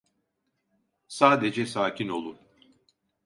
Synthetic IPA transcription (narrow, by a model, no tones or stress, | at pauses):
saːd̪ed͡ʒɛsaːcʰino̞̰lˠun